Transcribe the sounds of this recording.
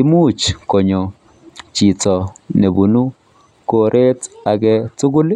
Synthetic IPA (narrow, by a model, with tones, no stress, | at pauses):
i˦mu˦t͡ʃko˨ɲo˨ | t͡ʃi˨tɔ˨ne˨bu˨nu˦ | ko˨ɾʔe˦ta˨ɡɛ˦tʊ˦ɡʊ˦l